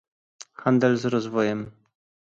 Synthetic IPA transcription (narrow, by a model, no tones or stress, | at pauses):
xand̪ɛlzɾɔzvɔjɛm